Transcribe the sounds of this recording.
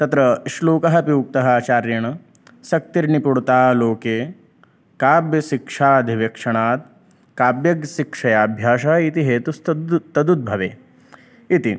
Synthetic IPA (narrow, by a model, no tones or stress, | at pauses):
t̪ɐt̪ɾɐiʃloːkɐɦɐ̆pijuːk̚t̪ɐɦɐaːt͡ʃaːɾjɐɳɐ | sɐk̚t̪iɾnipuɽut̪aːloːkeː | kaːbjɐʃikʂaːɐd̪ʱiʋjɐkʂɐɳaːt̪̚ | kaːbjɐɡʃikʂɐjaːbʱjaːʃɐɐit̪iɦeːt̪ust̪t̪ɐd̪ud̪̚bʱɐʋeː | it̪i